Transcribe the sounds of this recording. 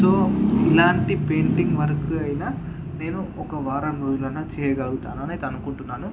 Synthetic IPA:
so̞ːilaːɳʈipe̞ːɳʈiŋɡʋɐɾɐkuɐjinaː | ne̞ːnuɔkɐʋaːɾɐmɾoːd͡ʒulɐnːaːt͡ʃɛːjɐɡɐluɡut̪a̰ːnuɐnit̪ɐnukuɳʈunːaːnu

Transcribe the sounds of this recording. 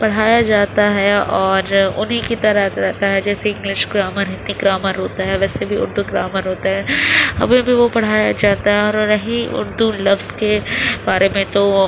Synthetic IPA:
pɐɽ̤aːjad͡ʒaːt̪aɦɛɔːɾʊ̰nɦikit̪ɐɾəɾɛɦt̪aɦɛd͡ʒɛːseɪ̃ŋɡlɪʃɡɾaːməɾɪt̪niɡɾaːməɾɦoːt̪aɦɛʋɛːsebʱiʊ̰ɾd̪ʱuɡɾaːməɾɦoːt̪aɦɛɐ̰bmẽbʱiʋopɐɽ̤aːjad͡ʒaːt̪aɦɛɔːɾːɐɦiʊ̰ɾd̪ulɐʋzkebaːɾemẽt̪o

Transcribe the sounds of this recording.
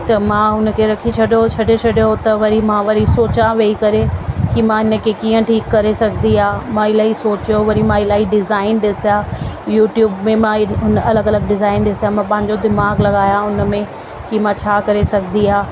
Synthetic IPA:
t̪ɐmãːɦʊnə̆kʰeɾɐkʰit͡ɕʰɐɗjot͡ɕʰɐɖet͡ɕʰɐɗjot̪ɐʋɐɾimãʋɐɾisoːt͡ɕaʋeːikɐɾekimãɦɪnə̆kʰekiːə̃ʈʰiːkːɐɾesɐɡʱnd̪iaːmãɪlaːɦisoːt͡ɕjoʋɐɾimãɪlaːiɖɪzaːɪnɗɪsijaːjuːʈjuːbmẽmãɦʊnɐləɡɐləɡ̚ɖɪzaːɪnɗɪsjamãpɐ̃ɦɪ̃ɲd͡ʑod̪ɪmaːɡlɐɠaːjãʊnə̆mẽ | kimãt͡ɕʰaːkɐɾesɐɡʱd̪iɦaː

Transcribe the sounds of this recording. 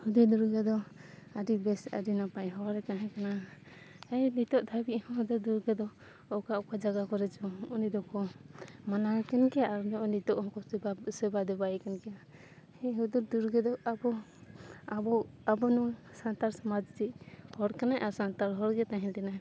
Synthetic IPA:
hud̪ud̪uɾɡɛd̪ɔaɖibɛsa̰ɖinapajɦɔɾɛkaɦɛ̃kana | ɛnit̪ɔʔd̪ʰʱabiʔhɔ̃ɦud̪ud̪uɾɡɛd̪ɔ | ɔkaʔɔkad͡ʒaɡakɔɾɛt͡ʃɔɔnid̪ɔkɔmanaɾɛkɛnkɛaɾnɔʔnit̪ɔʔhɔ̃kɔsɛbasɛbad̪ɛbajɛkɛnkɛja | hɛɦud̪uɾd̪uɾɡɛd̪ɔʔabɔ | ɔabɔnɔsant̪aɾsamad͡ʒd͡ʒiʔhɔɾkanajʔaɾsant̪aɾɦɔɾɡɛt̪aɦɛnʈɛna

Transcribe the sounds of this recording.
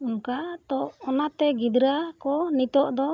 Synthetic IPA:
uŋkat̪ɔʔːnat̪ɛɡid̪ɾakɔnit̪ɔʔd̪ɔ

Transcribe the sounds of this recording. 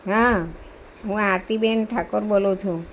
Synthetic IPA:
ɦã | ɦũaɾt̪ibenʈʰakoɾbolowt͡ʃʰu

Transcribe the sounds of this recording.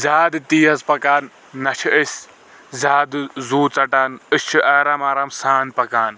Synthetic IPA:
zʲaːd̪t̪iːɐzpɐkaːnː | ɐt͡ʃʰiəsʲ | zʲaːd̪zuːt͡sɐʈaːnɨst͡ʃʰiʔɐːɾɐmaːɾɐmsaːnpɐkaːn

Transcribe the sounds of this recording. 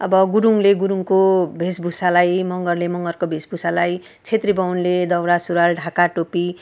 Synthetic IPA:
ʌbʌɡuɾuŋleɡuɾuŋkobʱesbʱusalajmʌŋɡʌrlemʌŋɡʌrkobʱesbʱusalaj | t͡sʰet̪ribʌwnled̪ʌwɾasuɾalɖʱakaʈopi

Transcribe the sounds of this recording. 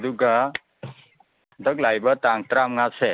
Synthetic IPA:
d̪uɡa | d̪əɡlajbəɾt̪ãŋɡ̚t̪ɾamŋɡat͡ʃʰe

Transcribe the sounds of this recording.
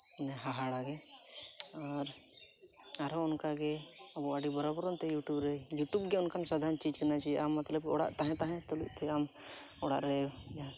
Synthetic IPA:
nɛɦaɦaɽaɡɛ | ɔɾ | aɾɔʊnkaɡɛ | ɔbɔʔaɖibəɾɔbɾɔnt̪ɛjuʈubɾəijuʈubɡɛunkʰansad̪ʱant͡ʃid͡ʒkənat͡ʃaɛʔamːat̪ləb̚kɛɔɽa̰ʔt̪aɦɛ̃t̪ãɦɛ̃t̪ɔlṵʔ̚t̪ʰɛamɔɽa̰ʔɾɛd͡ʒa

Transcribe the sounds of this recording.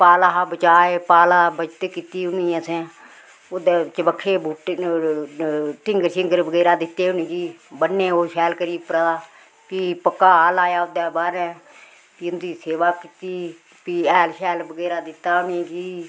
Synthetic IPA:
paːlaːɦabət͡ʃaːeːpaːlaːbət͡ʃt̪ekit̪iːʊnĩːəsẽː | ʊd̪eːt͡ʃəbəkʰːeːbuːʈ | ʈɪŋɡəɾʃɪŋɡəɾbəɡeːɾaːd̪ɪt̪ːeːʊnĩːd͡ʒiːbənːeːɦoːʃɛːlkəɾiːpɾaː | piːpəkːaːlaːjaːʊd̪eːbaːɾɛ̃ː | piʊnd̪iːseːʋaːkit̪iː | piːɛːlʃɛːlbəɡeːɾaːd̪ɪt̪ːaːʊniːd͡ʒiː

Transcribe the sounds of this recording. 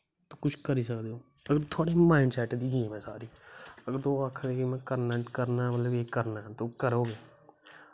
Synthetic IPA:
t̪oːkʊt͡ʃʰkəɾiːsəkd̪eːoː | əɡəɾt̪ʰoaːɽeːmãːɪɳɖsɛːʈd̪iːɡiːmɛ̃ːsaːɾiːəɡəɾd̪oːəkʰd̪eːkimɛ̃ːkəɾnɛ̃ːʈkəɾnaːmələbeːkəɾnaːɦt̪oːkəɾoːɡeː

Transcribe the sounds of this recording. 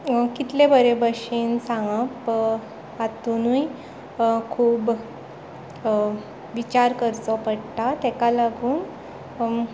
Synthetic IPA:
kit̪lebəɾebəɕinsãŋɡap | at̪unuj | kʰuːb | ʋit͡ɕaɾkəɾt͡sɔpəɽt̪at̪ɛkalaɡuːn

